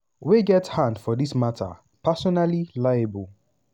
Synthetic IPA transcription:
weɡɛthãndfɔðismatʰə̰ | pʰasɔnalilaɪəbəlˠ

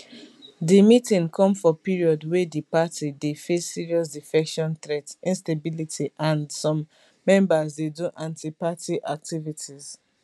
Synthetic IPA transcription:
dimitĩŋkʰɔ̃mfɔpiɹiɔdwɛdipatʰidefesːiɹiɔs̬difɛkʃɔ̃nθɹɛtĩnstebilitʰiʔãndsɔ̃mː | ɛ̃mbazdeduʔãntipatiʔak̚tivitʰiz̥

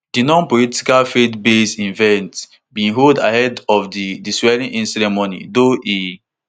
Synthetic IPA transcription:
d̥inɔ̃npɔliti̥kalfetbesĩnvɛ̃nt | bĩɦolda̰hɛdɔfdidiswɛɹĩʔĩnsɛɾɛmonḭdoʔi

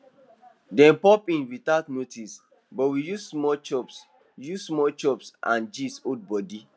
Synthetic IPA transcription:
dɛ̃npɔpĩnwitatnotis | bɔtwijussmɔlt͡ʃɔps | jussmɔlt͡ʃɔpsʔã̰nd͡ʒisod̚bɔdi

